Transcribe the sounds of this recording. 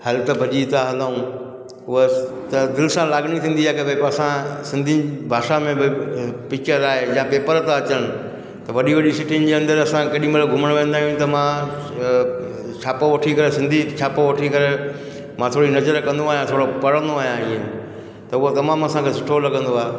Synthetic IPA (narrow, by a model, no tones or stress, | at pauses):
hɐlt̪ɐbʱɐʄit̪aɦɐ̃nd̪aũ | ʊɦət̪ɐd̪ɪlɪsãlaːɡɽ̃it̪ʰĩːn̆d̪iaːɦekebepɐsãsɪ̃nd̪ʱibʱaːʃamẽbɪpɪkt͡ɕəɾaːɦejãːpeːpəɾt̪ãɐt͡ɕəɽ̃ɪ̆ | t̪ɐʋɐɗiʋɐɗisɪʈinɪ̆d͡ʑeːɐ̃nd̪əɾɐsãkɐɗĩmbɐlɡʱʊməɽ̃ʋẽːnd̪aːɦijũt̪ɐmã | t͡ɕʰaːpoʋɐʈʰikɐɾesɪ̃nd̪ʱit͡ɕʰaːpoʋɐʈʰikɐɾe | mãt̪ʰoːɽinɐzəɾkɐ̃nd̪oaːɦjãt̪ʰoːɽopɐɽə̃nd̪oaːɦjãiːẽ | t̪ɐʊɦot̪ɐmaːmɐsãkʰeːsɪʈʰolɐɡə̃nd̪oaːɦe